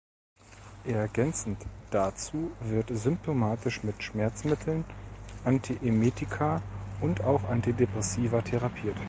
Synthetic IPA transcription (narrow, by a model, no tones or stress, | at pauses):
ʔɛɐɡɛnt͡sn̩td̥at͡suːvɪɐtzʏmp̚tʰomaːtʰɪʃmɪtʃmɛɐt͡smɪtʰl̩nʔantʰiʔemeːtikʰaʔʊntaʊxʔantidepʁ̥ɛsiːvɐtʰeʁapʰiːɐt